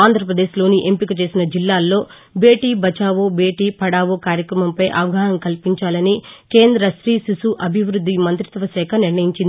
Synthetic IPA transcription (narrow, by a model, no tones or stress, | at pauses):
aːnd̪ʱɾɐpɾɐd̪e̞ːʃlo̞ːniʔempikɐt͡ʃe̞ːsinɐd͡ʒilːaːlːo̞ː | be̞ːʈiːbɐt͡ʃaːʋobe̞ːʈiːpʰɐɽaːʋokaːɾjɐkɾɐmɐmpɐjʔɐ̰ʋɐɡʱaːɦnɐmkɐlpiɲt͡ʃaːlɐnike̞ːnd̪ɾɐsɾisisuʔɐbʱiʋɾud̪ːimɐnt̪ɾit̪ʋɐsɛːkʰɐniɾɳɐjiɲt͡ʃind̪i